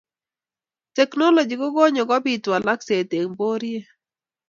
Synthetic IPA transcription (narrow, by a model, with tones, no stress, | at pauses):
tɛ˨knɔ˦lo˨d͡ʒi˨ɡɔ˦ɡɔ˦ɲɔ˨ɡɔ˦bi˨twa˨la˦kse˨te˨ŋbo˦ɾje˦